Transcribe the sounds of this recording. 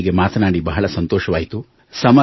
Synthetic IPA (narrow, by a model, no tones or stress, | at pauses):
iɡemaːt̪ʰnaːɽibɐɦɐɭɐsɐnt̪oːʃɐʋaːjit̪u | sɐmɐ